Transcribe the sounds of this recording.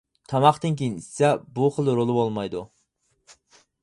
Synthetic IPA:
t̪ʰɑmɑχt̪ɨnkʲejinissɛbuχəlˠɾolˠɨbolˠmɑjd̪u

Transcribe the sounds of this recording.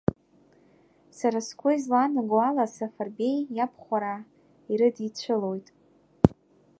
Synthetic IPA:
saɾaskʷʊizlanɨɡwalasafarbe̞jjapʰχʷaɾa | iɾɨdit͡ɕʷʰɨlo̞jtʼ

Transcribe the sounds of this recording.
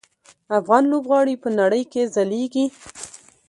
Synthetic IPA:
afɣɑnlobɣɑɽipənaɽəjkezaleɡi

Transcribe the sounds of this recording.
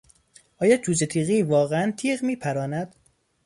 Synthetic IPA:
ʔɒːjɒːd͡ʒʰuːzet̪ʰiːɣivɒːɣeænt̪ʰiːɣmiːpʰæɾɒːnæd̪̥

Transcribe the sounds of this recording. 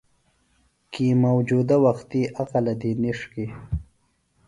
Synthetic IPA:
kimawd͡ʒud̪awaxt̪iʔaqalad̪iniʂki

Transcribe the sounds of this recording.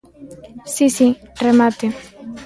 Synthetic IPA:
sisiremat̪e

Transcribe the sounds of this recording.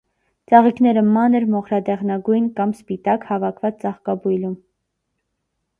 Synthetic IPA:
t͡sɑʁikʰnɛɾəmɑnəɾmɔχɾɑd̪ɛʁnɑɡujnkɑmspit̪ɑkhɑvɑkʰvɑt͡st͡sɑχkɑbujlum

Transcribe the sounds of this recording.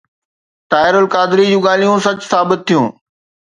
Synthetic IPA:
ʈ̪aːɪɾʊlkaːd̪ɪɾid͡ʑũːɠaːl̤ijũsɐt͡ɕsaːbɪt̪̚ʰːijũː

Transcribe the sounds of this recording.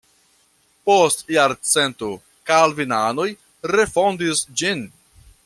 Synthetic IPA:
postjaɾt͡se̞nto | kalvinano̞j | ɾe̞fo̞ndisd͡ʒin

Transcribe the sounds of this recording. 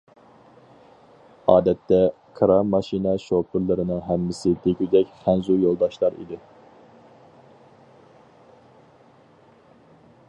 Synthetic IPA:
ɑːd̪ɛt̪ːɛ | kʰɾɑmɑʃinɛʃopʰɪɾlˠɨɾɨnɨŋɦɛmːɪsɪd̪ʰekʲʰyd͡ʒ̪ʲɛkʲχænzujolˠd̪ɑʃlˠɑɾḭd̪ɪ

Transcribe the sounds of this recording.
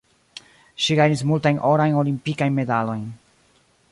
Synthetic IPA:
ʃiɡajnis̬multajnʔo̞ɾajno̞limpikajnme̞dalo̞jn

